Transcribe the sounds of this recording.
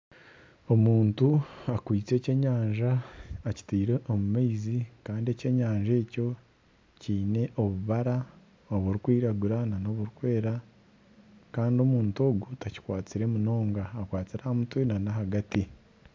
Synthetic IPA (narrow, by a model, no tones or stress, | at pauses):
o̞muːntuakwiːt͡se̞ːce̞ɲaːɲʒaːci̥tiːɾeʔomumaizikaːndie̞ce̞ɲaːɲʒe̞ːco̞ | ciːne̞ʔo̞βuβaɾa | oβuɾikwiːɾaɡuɾanano̞βuɾikwe̞ːɾa | kaːndio̞muːnto̞ːɡutaci̥kwaːt͡siɾe̞muno̞ːŋɡaːkwaːt͡siɾahamutwenanaɦaɡati